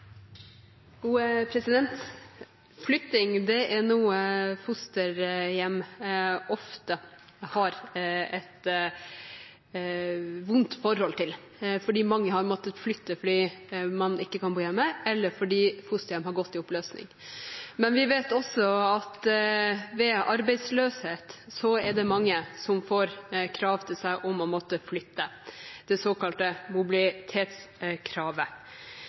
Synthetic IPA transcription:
uːɛpʰɾɛsɪd̪ɛnt̪ | flʏt̪ɪŋd̪ɛʔɛɾɳuːəfʊst̪əɾjɛmː | ɔft̪ə | hɑɾɛt̪ | ʋʊnt̪fɔɾhɔlt̪ʰɪl | fɔɖiːmɑŋːəhɑɾmɔt̪ːət̪flʏt̪ːəfɔɖiːmɑnɪkːəkʰɑnbuːjɛmːəɛlːəɾfɔɖiːfʊst̪ɪəmɦɑɾɡɔt̪ːɪɔpløːsnɪ̰ŋ | mɛnʋɪʋeːt̪ɔsɔɑt̪ | ʋɛɑɾbɛɪsløːsheːt̪sɔɛɖɛmɑŋːəsɔmfoːɾkʰɾɑːʋt̪ʰɪlsæɪʔɔmɔmɔt̪ːəflʏt̪ːəd̪̥ɛsoːkɑlt̪əmʊbɪlɪt̪ʰeːt̪s | kʰɾɑːʋə

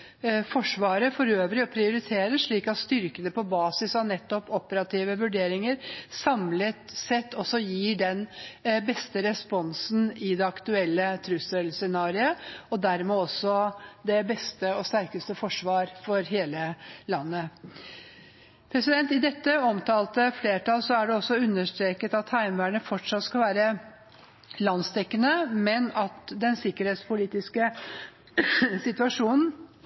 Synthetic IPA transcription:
fɔʂʋɑːɾəfɔɾøːʋəɾɪɔpʰɾɪʊɾɪt̪ʰeːɾəʂɭiːkɑt̪st̪ʏɾkənəpɔbɑːsɪsɑʋnɛt̪ːɔpɔpəɾɑt̪ʰiːʋəʋʉɖeːɾɪŋəɾsɑmlət̪sɛt̪ːɔsɔjiːɖɛnbɛst̪əɾɛspɔnsn̩ɪd̪ɛɑkt̪ʉɛlːət̪ʰɾʉsəlsɛnɑːɾɪəɔd̪æɾmɛːɔsːɔd̪ɛbɛst̪əɔst̪æɾkəst̪əfɔʂʋɑːɾfɔɾɦeːləlɑnːə | pʰɾɛsɪd̪ɛnt̪ɪd̪ɛt̪ːəɔmt̪ʰɑːlt̪əfleːʈɑlsɔæɖɛɔsːɔʉnːəʂt̪ɾeːkət̪ɑt̪hæɪmʋæːɳəfɔʈʂɑt̪skɑlʋæːɾə | lɑnst̪ʰɛkːənəmɛnɑt̪d̪ɛnsɪkːəɾheːt̪spʰʊliːt̪ɪskə | sɪt̪ʉɑʂuːnn̩

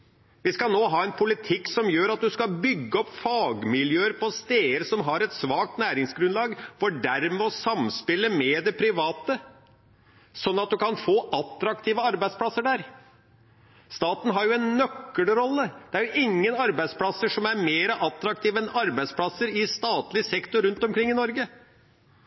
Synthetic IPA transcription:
ʋɪskɑlnoːɦɑːɛnpʰʊlɪt̪ʰɪksɔmjøːɾɑt̪̚d̪ʉskɑbʏɡːəɔpːfɑːɡmɪljøːəɾpʰɔst̪eːəɾsɔmɦɑɾɛt̪sʋɑːk̚t̪næːɾɪŋsɡɾʉnlɑːɡfɔɖæɾmɛɔsɑmspɪlːəmɛd̪ɛpʰɾɪʋɑːt̪ə | sɔnːɑt̪̚d̪ʉkɑnfoːʔɑt̪ɾɑk̚t̪ʰiːʋəɑɾbæɪspʰlɑsːəɖæɾ | st̪ɑːt̪n̩ɦɑɾjʊɛnːœkːəɽɾɔlːəd̪̥ɛæɾjʊʔɪŋːənɑɾbæɪd̪spʰlɑsəʂɔmæɾmeːɾəʔɑt̪ɾɑk̚t̪ʰiːʋəɛnɑɾbæɪspʰlɑsəɾɪst̪ɑːt̪lɪsɛkt̪ʊɾʉnt̪ɔmkʰɾɪŋːɪnɔɾɡə

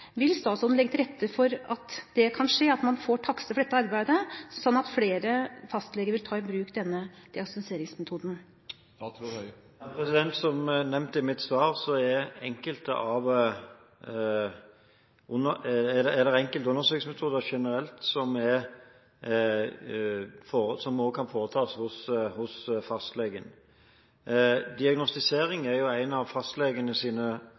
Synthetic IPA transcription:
ʋɪlst̪ɑːt̪sɔnlɛɡət̪ʰɪɾɛt̪ʰːəfɔɾɑt̪d̪̥ɛkʰɑnʂeːɑt̪mɑnfoːʈʰɑksəfɔɖɛt̪ːəɑɾbæɪd̪əsɔnːɑt̪fleːɾəfɑst̪lɛɡəɾʋɪlt̪ʰɑːɪbɾʉːkd̪ɛnːəd̪̥ɪɑksnseːɾɪŋsmɛt̪ʰuːd̪n̩ | pʰɾɛsɪd̪ɛnt̪sɔmnɛmnt̪ɪmɪt̪sʋɑːʁsɔɛɾɛŋkəlt̪ə̰ʔɑʋ | ʊnəd̪ɛɛd̪ɛʁɛŋkəlt̪ʊnːəɾsøːksmɛt̪ʰuːd̪əʂɛnəɾɛlt̪sɔmɛ | foːəsɔmoːɡkʰɑnfoːɾət̪ʰɑːshʊshʊsfɑst̪leːɡən | d̪ɪɑɡnɔst̪ɪseːɾɪŋæɾjʊæɪnɑʋfɑst̪leːɡənəsiːnə

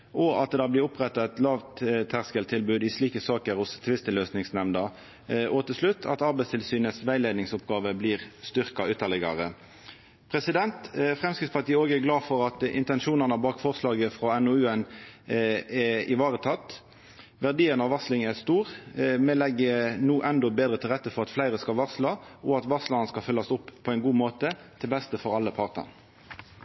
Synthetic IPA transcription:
ʔɔɑt̪̚d̪d̪ɑːblɪːʊpʁɛt̪ːɑɛt̪lɑːʋt̪t̪ʰæʁskəlt̪ʰɪlbʉːd̪ɪsɭiːkəsɑːkəʁhʊst̪ʰɪʋɪst̪əløːsnɪŋsnɛmnɑ | ʔoːt̪əsʂlʉt̪ʰːɑ̰t̪ɑʁbɛɪst̪ʰɪlsyːnəsʋæɪleːd̪nɪŋsʊpɡɑːʋəbliːʁst̪ʏʁkɑʉːt̪ɑlɛɡɑ̰ʁə | pʰʁɛsɪd̪ɛnt̪fʁɛmskɪt̪spɑʈ̪iːəoːɡəæɡlɑːfɔʁɑt̪ɪ̰nt̪ɛnʃuːnɑnəbɑːkfɔʁslɑːɡəfʁoːɛnʊʉːɛn | ɛɪʋɑːʁət̪ʰɑt̪ː | ʋæʁd̪iːənɑʋɑslɪŋæʁst̪uːʁmɛlɛɡːənuːʔɛnd̪ɔbeːd̪ʁət̪ʰɪlʁɛt̪ːəfɔʁɑt̪flæɪʁəskɑlʋɑʁslɑʔɔɑt̪ʋɑslɑnəskɑlfʏlːɑsʊpːʰɔɛɪnɡuːmoːt̪ət̪ʰɪlbɛst̪əfɔʁɑlːəpʰɑʁt̪ə̰n

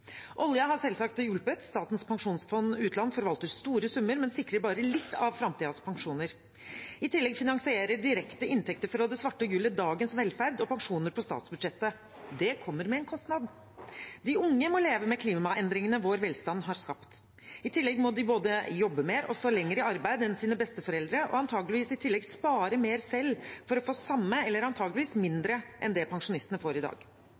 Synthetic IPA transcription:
ʔɔljɑɦɑɾsɛlsɑk̚t̪jʉlpət̪st̪ɑːt̪n̩spʰɑŋʂuːnsfɔnːʉːt̪lɑnːfɔɾʋɑlt̪əɾst̪uːɾəsʉmːəɾmɛnsɪkːɾəɾbɑːɾəlɪt̪ːɑʋfɾɑmt̪iːd̪ɑspʰɑŋʂuːnəɾ | ɪt̪ʰɪlːɛɡfɪnɑŋsɪeːɾəɖɪɾɛkt̪əʔɪnt̪ʰɛk̚t̪əɾfɔɾɔhɑːd̪ɛsʋɑʈːəɡʉːləd̪ɑːɡənsʋɛlfæɾd̪ɔpɑŋʂuːnəɾpʰɔst̪ɑ̰ːt̪sbʉd̪ʂɛt̪ːə | d̪ɛkʰɔmːəɾmɛɛːnkʰɔst̪nɑd̪ | d̪ɪʊŋːəmɔleːʋəmɛkʰliːmɑʔɛnd̪ɾɪŋənəʋoːɾʋɛlst̪ɑnːɦɑɾskɑpt̪ | ɪt̪ʰɪlːɛɡmɔd̪ɪboːd̪əjɔbːəmeːɾɔ̰sɔlɛŋːəɾɪɑɾbæɪd̪ɛnsiːnəbɛst̪əfɔɾɛld̪ɾəʔɔ̰ɑnt̪ʰɑːɡlɪʋiːsɪt̪ʰɪlːɛɡspɑːɾəmeːɾsɛlːfɔɾɔfoːsɑmːəɛlːəɾɑnt̪ʰɑːɡlɪʋiːsmɪnd̪ɾəʔɛ̰nd̪ɛpʰɑŋʂʊnɪst̪ənəfoːɾɪd̪ɑ̰ːɡ̥

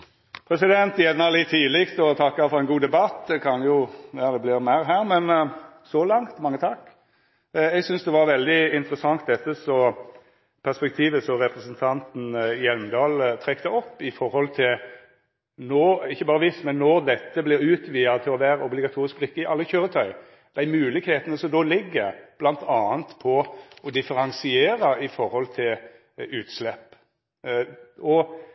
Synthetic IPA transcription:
pʰɾɛsɪd̪ɛnt̪jɛnɑlɪt̪ʰːiːlɪkt̪ɔt̪ʰɑkːɑfɔɾɛɪnɡuːd̪ɛbɑt̪d̪ɛkʰɑnjʊjɑd̪ɛblɪɾmæɪɾɦæːɾmɛnsɔlɑŋt̪mɑŋːət̪ʰɑkː | ɛɡsʏnsd̪ɛʋɑɾʋɛld̪ɪɪnt̪ɾəsɑŋt̪̚d̪ɛt̪ːəsɔ | pʰæʁspɛk̚t̪ʰiːʋəsɔɾɛpɾəsənt̪ʰɑnt̪n̩jɛlmənd̪ɑːlt̪ʰɾɛkt̪əɔpːɪfɔɾhɔlt̪ʰɪl | noːɪçːəbɑːɾəʋɪst̪mɛnːɔɾd̪ɛt̪ːəblɪɾʉːt̪ʋiːɑt̪ʰɪlɔʋæːɾəɔblɪɡɑt̪ʰuːɾɪsk̚blɪkːəɪʔɑlːəçøːɾət̪ʰœʏ | d̪̥æɪmʉːlɪɡheːt̪ənəsɔmd̪oːlɪɡːəɾb̥lɑnt̪ʰɑːənt̪pʰɔɔd̪ɪfəɾɑnsɪeːɾɑɪfɔɾhɔlt̪ʰɪl | ʉːt̪slɛpː | ɔ

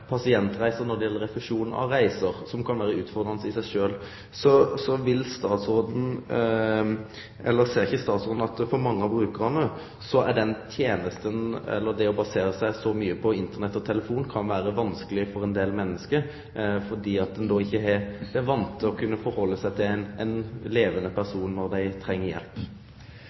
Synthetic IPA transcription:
pʰɑsɪɛnt̪ɾæɪsəɾnɔɾd̪ɛjɛlːəɾɛflɪʂuːnən̩ɑ̰ɾæɪsəɾsɔmkʰɑnʋæːɾəʉːt̪fɔɾd̪ɾɑnəsəɪsæɪʂøːl | sɔsɔʋɪlst̪ɑːt̪soːd̪n̩ | ʔɛlːəɾseːɾɪçəst̪ɑːt̪sɾoːd̪n̩ɑt̪fɔɾmɑŋːəɑbɾʉːkəɾhɑnːə | sɔæ̰ɖ̪ɛnt̪ʰjeːnəst̪ənɛ̰lːəd̪ɛɔbɑseːɾəsæɪsɔmyːəpʰɔɪnt̪əʁnɛt̪ːɔt̪ʰɛləfuːnkʰɑnʋæːɾəʋɑnskəlɪfɔɾɛnd̪eːlmɛnːəskə | fɔɖ̪iːɑt̪̚d̪ɛnd̪ɔːɪçːəɛ̥ɛʋɑnt̪ːəɔkʰʉnːəfɔɾhɔlːəsæɪt̪ʰɪlænɛnleːʋənəpʰæɾsuːnnɔɾd̪æɪt̪ʰɾɛŋːəɾjɛ̰lp

